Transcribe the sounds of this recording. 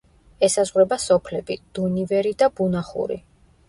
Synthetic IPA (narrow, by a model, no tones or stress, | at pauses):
ɛsazʁɾɛbasɔpʰlɛbid̪̥univɛɾid̪abunaχṵɾḭ